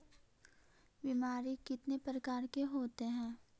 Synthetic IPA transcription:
bimaːɾikɪt̪nepɾəkaːɾkeɦoːt̪eɦɛ̃ː

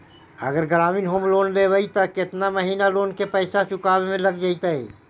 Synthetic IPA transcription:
ə̰ɡəɾɡɾaːmiːnɦoːmloːnlebəit̪ɔkɪt̪naməɦiːnaloːnkepəɪsat͡ʃʊkaːbmẽləɡd͡ʒait̪əi

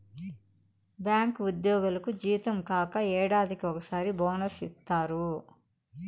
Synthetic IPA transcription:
bjaːŋkud̪jɔːɡulɐkud͡ʒiːt̪ɐmkaːkɐɛːɽaːd̪ikiɔkɐsaːɾibɔːnɐsist̪ːaːɾu

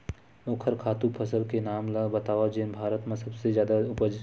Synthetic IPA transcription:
oːkʰəɾkʰaːt̪ũpʰɐsəlkenaːmlabɐt̪aːʋad͡ʒenbʱaːɾət̪mẽsɐbsezjaːd̪aʊpəd͡ʒ

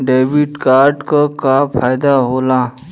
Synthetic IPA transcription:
ɖeːbiʈkaːɾɖkokapʰaːjd̪aɦoːlaː

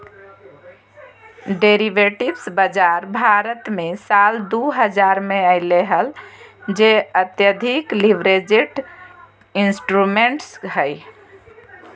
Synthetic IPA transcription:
ɖeɾiʋeʈibsbəd͡ʒaɾbʱaɾət̪mesald̪uɦəd͡ʒaɾmeəɪleɦəld͡ʒeət̪jəd̪ʱikliʋɾed͡ʒiʈ | insʈɾumeɳʈsɦəj

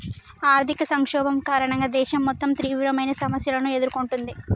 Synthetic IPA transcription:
aːɾt̪ʰikɐsɐŋkʂɔːbɐmkaːɾɐɳɐŋɡaːd̪ɛːʃɐmːɔt̪ːɐmt̪ɾiːʋɾɐmɐjnɐsɐmɐsjɐlɐnue̞d̪uɾukoɳʈund̪i

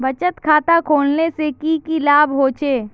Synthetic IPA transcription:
bət͡ʃət̪kʰaːt̪akʰoːlnesekikilaːbɦoːt͡ʃʰeː

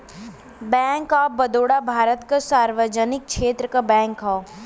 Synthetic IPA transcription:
bɛ̃ːŋkaːbəd̪oːɽabʱaːɾət̪kasaːɾʋəd͡ʒənɪk̚ʃeːt̪ɾəkabɛ̃ːŋkɦɔ

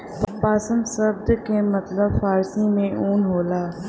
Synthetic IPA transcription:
ppaːsə̃nd̪səb̚d̪kemɐt̪ləbfaːɾsimẽʔuːnɦoːlaː

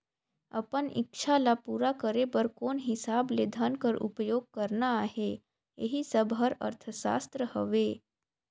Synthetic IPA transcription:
ɐpənɪ̰kʃʰalapuːɾakəɾebəɾkoːnɦɪsaːbled̪ʱənkəɾʔʊ̰pjoːɡ̚kəɾnaaːɦe | jḛɦisəbʱɦəɾɐ̰ɾt̪ʰəʃa̰ːst̪ɾəhəʋeː

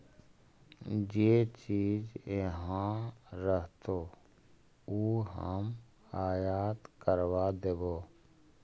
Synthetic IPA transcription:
d͡ʒeːt͡ʃiːd͡ʒeɦãɾəɦt̪oː | uːɦə̰m | haːjaːt̪kəɾwad̪eboː

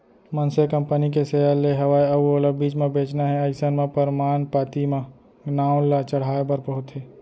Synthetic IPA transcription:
mənsekɐ̃mpənikesejalːeɦɐʋaːeɐbuoːləbbiːt͡ʃmẽbeːt͡ʃnaɦɛɐɪsənmẽpəɾmaːnpaːt̪imã | ɡnaːʊ̃lat͡ʃəɽ̤aːebəɾpɐɦʊt̪ɦɛː

